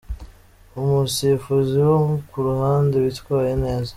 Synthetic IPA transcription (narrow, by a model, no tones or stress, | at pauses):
umusifuziwomukuɾuhaːndewitkwaːjene̞ːza